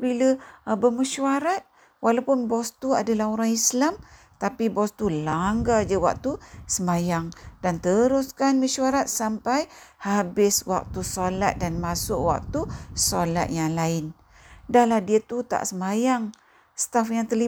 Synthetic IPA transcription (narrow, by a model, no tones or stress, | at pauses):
biləbəməʃwaɾat̪̚ | walawpʊnbɔst̪ua̰dalahoɾaŋislam | t̪apibɔst̪ulaŋɡad͡ʒəwa̰k̚t̪usəmajaŋdant̪əɾʊskanməʃwaɾat̪̚sampajhabɪswa̰k̚t̪usolat̪̚danmasʊʔwa̰k̚t̪usola̰t̪̚jaŋlaɪn | dahlahdiət̪ut̪a̰ʔsəmajaŋ | st̪afjaŋt̪ərli